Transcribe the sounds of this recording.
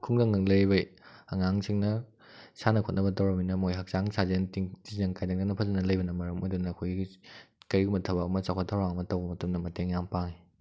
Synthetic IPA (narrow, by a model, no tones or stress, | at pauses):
kʰuŋdɐŋnɯŋlejbɐjɐŋaŋsʰiŋnɐ | sanɐkʰot̚nɐbɐtɐwɾɐminɐmojɦak̚t͡ʃaŋsʰazentiŋtizɐŋkajdaŋdɐnɐpʰɐzɐnɐlɐjbɐnɐmɐɾɐmojdunɐːkʰojɡiɡikɐɾiɡumɐtʰɐbɐɐmɐt͡ʃawkʰatʰawɾaŋɐmɐtɐwbɐmɐtɐmnɐmɐteŋjaŋpaŋi